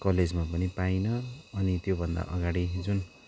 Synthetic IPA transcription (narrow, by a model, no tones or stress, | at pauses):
kʌled͡zmapʌnipajnʌːnit̪jobʱʌnd̪a̰ʔʌɡaɽid͡zun